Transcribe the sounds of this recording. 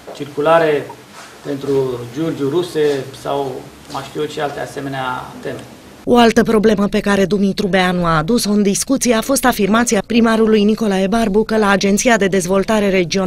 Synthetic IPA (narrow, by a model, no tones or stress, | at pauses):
t͡ʃirkulaɾe | pe̞nt̪ɾud͡ʒord͡ʒuɾusesa̰w | maʃt̪iuʃialt̪ease̞me̞nea̰t̪e̞me | o̞alt̪əpɾo̞ble̞məpe̞kaɾe̞d̪umit̪ɾubeanuaːd̪uso̞ɨnd̪iskut̪sije̞afo̞st̪afirmat̪sijapɾimaɾulujniko̞laebarbukəlaːd͡ʒe̞nt̪sijad̪e̞d̪e̞zvo̞lt̪aɾe̞ɾe̞d͡ʒio̞